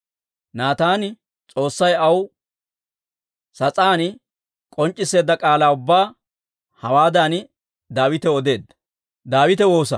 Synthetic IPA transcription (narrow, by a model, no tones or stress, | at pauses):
naːt̪aːnɪ | t͡sʼo̞ːsːɐjɐw | sɐt͡sʼaːn | kʼɔnt͡ʃʼːɪsːe̞ːd̪ːɐkʼaːlaːʊbːaː | hɐwaːd̪aːn | d̪aːwɪt̪ɛɔd̪e̞ːd̪ːɐ | d̪aːwɪt̪ɛwo̞ːsɐ̰